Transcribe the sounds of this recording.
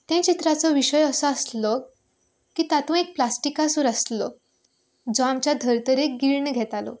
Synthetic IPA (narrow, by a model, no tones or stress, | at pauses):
t̪ɛ̃t͡ɕit̪ɾat͡sɔʋiɕəjəsɔəslɔ | kiːt̪at̪ũek̚plasʈikasuːɾaslɔ | d͡zɔamt͡ɕjad̪ʱəɾt̪əɾeɡiɭɳəɡʱɛt̪alɔ̰